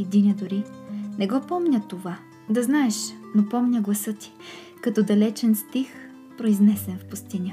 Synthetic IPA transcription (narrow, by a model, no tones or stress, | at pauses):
d̪inʲəd̪ʊɾinɛɡɔpɔmnʲət̪ova | d̪ɐznaɛʃnopɔmnʲəɡlˠɐsɤt̪i̥ | kɐt̪ɔd̪ɐlɛt͡ʃɛnst̪ix | pɾoiznɛsɛnfpʊst̪inʲə